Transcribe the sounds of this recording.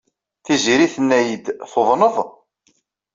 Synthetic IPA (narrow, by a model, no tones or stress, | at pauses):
θiziɾiθənːæjəd̪θoðˤnəðˤ